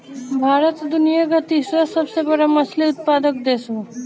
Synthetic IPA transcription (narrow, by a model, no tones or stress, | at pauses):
bʱaːɾət̪d̪unijaɡʱət̪isəsəbsebəɽamɐsliut̪̚pad̪ək̚d̪eso